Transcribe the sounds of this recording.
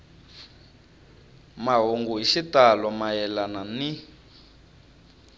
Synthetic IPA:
maɦoŋɡuɦiʃitalɔmajɛlanani

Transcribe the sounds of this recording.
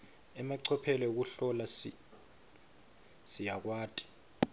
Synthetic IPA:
ɛmaǀʰɔpʰɛlɛuk̬uɬɔla | sijak̬waːtʼi̥

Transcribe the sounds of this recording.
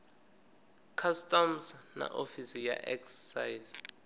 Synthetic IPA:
kʰastʼɔmsna̰ʔofisija̰ʔɛksɛsajz

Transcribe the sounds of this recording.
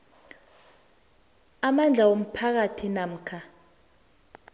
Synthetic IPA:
amand͡ɮʱawom̩pʰak̬atʰinam̩ːkʰa

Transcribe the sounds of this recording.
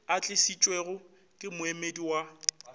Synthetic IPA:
at͡ɬʼɪsit͡ʃʼweɣʊ | kʼɪmʊemediwa

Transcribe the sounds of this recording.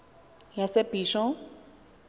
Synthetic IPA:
jasɛbiʃɔ

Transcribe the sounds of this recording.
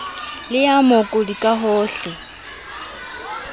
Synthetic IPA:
lɪamokʼʊdikʼaɦɔːɬɪ

